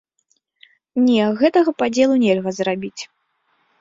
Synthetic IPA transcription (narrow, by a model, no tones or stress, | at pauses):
nʲɛɣɛt̪ɐɣɐpad͡zʲɛlˠunʲɛlʲɣɐzrabʲit͡sʲ